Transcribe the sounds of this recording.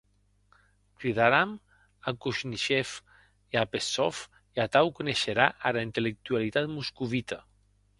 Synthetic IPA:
kɾiðaɾam | akuʃniʃɛf | iapesɔf | iat̪awkuneʃeɾaʔaɾaint̪elek̚t̪ualit̪at̪muskuβit̪a

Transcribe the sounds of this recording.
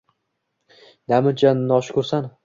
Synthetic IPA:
d̪amɪd͡ʒannːɒʃkʰɵɾsan

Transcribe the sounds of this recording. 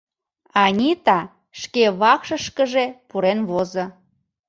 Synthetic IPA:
ɑnʲit̪ɑ | ʃkeβɑkʃəʃkəʒepuɾenβozə̆

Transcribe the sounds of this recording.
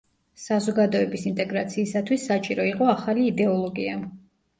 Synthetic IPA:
sazɔɡad̪ɔɛbisint̪ʼɛɡɾat̪sʰiːsat̪ʰwisːat͡ʃʼiɾɔiqʼɔaχaliːd̪ɛɔlˠɔɡia

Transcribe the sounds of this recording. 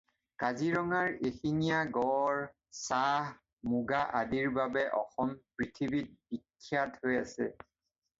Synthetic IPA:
kaziɹɔŋaɹexinijaɡɔɹ | sah | muɡaʔadiɹbabɛʔɔxɔmpɹitʰibit̚b̥ikʰːjathojasɛ

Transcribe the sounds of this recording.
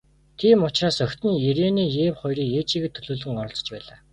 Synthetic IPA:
t̪ʰiːmʊt͡ɕraːsœxʲt̪ɘ̆njeɾeːniːjeːwχɔjriːkjeːt͡ɕiːɣĕt̪ʰːɵɮoːɮɘ̆ŋɔɾɞ̆ɮt͡sɞ̥̆t͡ɕpæ̰ːɮaː

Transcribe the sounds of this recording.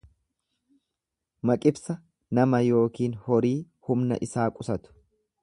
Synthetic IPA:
mɐkʼɪbsɐ | nɐmɐjo̞ːkiːnhɔɾiː | hʊmnɐ̰ʔɪsaːkʼʊsɐt̪ʊ̥

